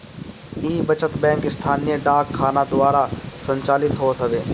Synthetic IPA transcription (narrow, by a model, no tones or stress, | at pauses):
iːbət͡ʃət̪bɛ̃ːŋkɪst̪ʰaːnijəɖaːkʰːaːnad̪ʊaːɾasə̃ɲt͡ʃaːlɪt̪ɦoːt̪ɦəʋeː